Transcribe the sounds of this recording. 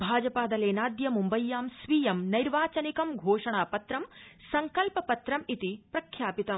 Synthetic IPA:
bʱaːd͡ʒɐpaːd̪ɐleːnaːd̪jɐmumbɐjːaːmsʋijɐmnɐjɾʋaːt͡ʃɐnikɐmɡʱoːʂɐɳaːpɐt̪ɾɐmsɐŋkɐlpɐpɐt̪ɾɐmit̪ipɾɐkʰːjaːpit̪ɐm

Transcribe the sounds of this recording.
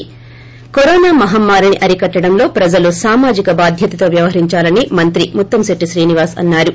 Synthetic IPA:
koɾoːnaːmɐɦɐmːaːɾuniʔɐɾikɐʈːɐɽɐmlo̞ːpɾɐd͡ʒɐlusaːmaːd͡ʒikɐbaːd̪ʱjɐt̪ɐt̪o̞ːʋjɐʋɐɦɐɾiɲt͡ʃaːlɐnimɐnt̪ɾimut̪ːɐmseʈːiʃɾiːniʋaːsɐ̰nːaːɾu

